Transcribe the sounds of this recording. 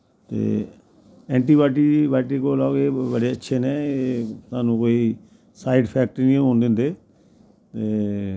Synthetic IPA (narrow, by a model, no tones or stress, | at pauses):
t̪ḛː | ɛ̃ːɳʈiːbaːʈibaːʈiːkoːlaoɡeːbəɽeːətːʃʰeːneːeːt̪aːnũːkoːiː | saːiɖpʰɛːk̚ʈːnĩːɦõːnd̪ẽːnd̪eː | t̪eː